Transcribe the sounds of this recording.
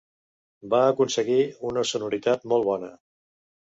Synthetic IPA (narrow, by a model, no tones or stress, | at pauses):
baəkunsəɣiunəsunuɾit̪at̪mɔlˠβɔnə